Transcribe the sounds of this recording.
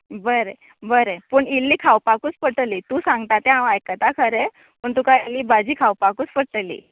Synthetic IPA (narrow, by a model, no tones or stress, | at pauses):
bəɾe | bəɾepəɳilːiːkʰawpakuːt͡spəʈəliːt̪uːsãŋɡt̪at̪ẽãʋajkət̪akʰəɾe | pəɳt̪ukailːiːbad͡ʑiːkʰawpakuːt͡spəɽʈəlḭː